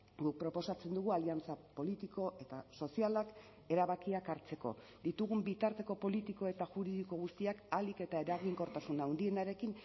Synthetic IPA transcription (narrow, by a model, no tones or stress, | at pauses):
ɡuk̚pɾo̞po̞sat͡se̞nd̪uɣ̞ualiant͡sapo̞lit̪iko̞ʔe̞t̪aso̞sialak | e̞ɾaβakiakaɾt͡se̞ko̞̰ | d̪it̪uɣumbit̪aɾt̪e̞ko̞po̞lit̪iko̞e̞t̪aʝuɾiðiko̞ɣ̞ust̪iakalike̞t̪ae̞ɾaɣiŋko̞ɾt̪asunawnd̪ie̞naɾe̞kin